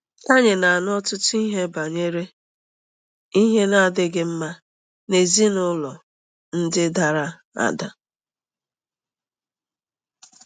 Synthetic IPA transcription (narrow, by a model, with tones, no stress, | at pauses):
a˦ɲɪ˨na˨a˨n˦ɔ˦tʊ˦tʊ˦i˦ɦe˦ba˨ɲe˦ɾe˦ | i˦ɦe˦na˦˨dɪ˦ɡɪ˦m̩˦ma˦ | ne˨zi˦nʊ˦lɔ˨ | n̩˦dɪ˦da˨ɾa˦ | a̰˦da˨